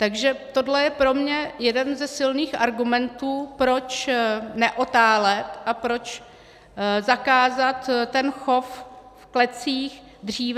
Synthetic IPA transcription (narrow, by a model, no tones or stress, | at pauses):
t̪aɡʒɛt̪o̞dlɛjɛpɾo̞mɲɛjɛdɛnzɛsɪlniːxʔaɾɡumɛnt̪uːpɾo̞t͡ʃnɛʔo̞t̪aːlɛt̪ʔapɾo̞t͡ʃ | zakaːzat̪tːɛnxo̞ffklɛt͡siːx | dr̝iːv